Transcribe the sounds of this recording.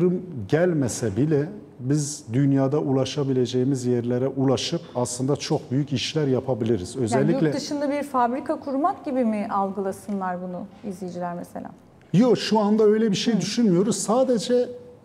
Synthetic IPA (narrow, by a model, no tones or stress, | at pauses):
ɾɯmɟælʲmesɛbilʲɛ | bizd̪ynjaːd̪aʔulˠaʃabilʲe̞d͡ʒe̞jimizjeɾlʲeɾɛʔulˠaʃɯpaslˠɯnd̪at͡ʃʰo̞k̚byjyciʃlʲæɾjapʰabilʲiɾizø̞zaɛlʲːilʲɛɯʃɯnd̪abiɾfabɾikʰakʰuɾmakɟibimiʔalˠɡɯlˠasɯnlˠaɾbunuizlʲijd͡ʒilʲæɾmḛselʲa̰ː | joʃuand̪aø̞jlʲɛbiʃe̞jd̪yʃynmijo̞ɾuz̥saːd̪e̞d͡ʒɛ